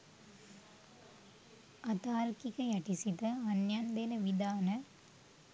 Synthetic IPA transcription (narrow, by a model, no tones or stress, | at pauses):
ɐt̪aːɾkikɐjɐʈisit̪ɐɐnjaːnd̪enɐʋid̪aːnɐ